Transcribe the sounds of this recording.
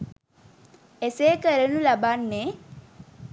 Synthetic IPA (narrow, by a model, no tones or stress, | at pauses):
eseːkəɾənulabanːe